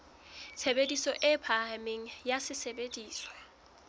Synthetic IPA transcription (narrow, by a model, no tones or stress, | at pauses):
t͡sʰebedisɔʔɪpʰamɪŋ̩jasɪsebediːswɔ̥